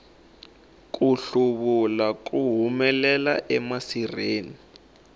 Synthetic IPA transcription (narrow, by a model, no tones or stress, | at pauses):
kuɬuβulak̬uɦumɛlɛlaʔɛmasireːni